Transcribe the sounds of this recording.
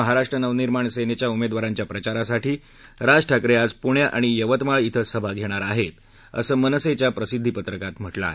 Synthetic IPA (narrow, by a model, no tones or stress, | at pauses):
əɦaɾaʂʈɾənəʋniɾmaɳsenet͡ɕjaumed̪ʋaɾaɲt͡ɕjapɾət͡ɕaɾasaʈiː | ɾad͡zʈʰakɾead͡zpuɳjaʔaɽ̃ijəʋət̪mait̪ʰəsəbʱaɡʱeɽ̃aɾaɦet̪ | ə̰səːmənəset͡ɕjapɾəsid̪ʱːipət̪ɾəkat̪m̤əʈla̰